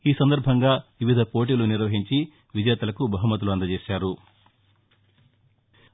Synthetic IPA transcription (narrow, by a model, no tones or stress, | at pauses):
iːsɐnd̪ɐɾbʱɐŋɡaːʋiʋid̪ʱɐpo̞ːʈ̬iːluniɾʋɐɦiɲt͡ʃi | ʋid͡ʒɛːt̪ɐlɐkubɐɦumːɐt̪̬uluɐnd̪ɐd͡ʒeːʃaːɾu